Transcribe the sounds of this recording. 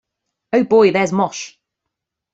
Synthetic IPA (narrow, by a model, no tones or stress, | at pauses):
əʊbɔɪðɛzmɔʃ